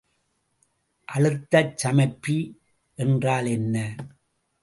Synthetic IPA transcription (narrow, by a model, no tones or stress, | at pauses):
ʔɐɻɯt̪ːɐt͡ʃːɐmɐɪpːi | ʔɛndraːlɛnːɐ